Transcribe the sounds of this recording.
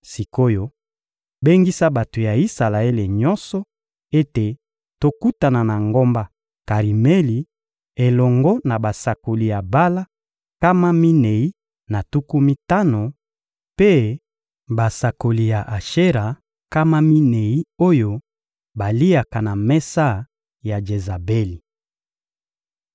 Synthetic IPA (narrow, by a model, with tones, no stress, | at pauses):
si˨ko˦jo˦ | be˦ŋɡi˦sa˦ba˨to˨ja˨i˦sa˨la˨e˦le˨ɲɔ˦nsɔ˦ | e˦te˨ | to˦ku˦ta˨na˨na˨ŋɡo˦mba˦ | ka˨ʁi˨me˦li˨ | e˨lɔ˨ŋɡɔ˦na˨ba˨sa˨ko˨li˨ja˨ba˦la˦ | ka˦ma˦mi˦ne˨i˦ | na˨tu˦ku˦mi˦ta˦no˨ | pe˦ | ba˨sa˨ko˨li˨ja˨ʔa˨ʃe˦ʁa˨ | ka˦ma˦mi˦ne˨i˦o˦jo˦ | ba˨li˦a˨ka˨na˨mɛ˦sa˦ | ja˨d͡ʒe˨za˨be˦li˨